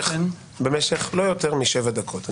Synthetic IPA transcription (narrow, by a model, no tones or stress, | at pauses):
be̞meʃeχlo̞jo̞teʁmiʃevad̪akʰo̞t̪a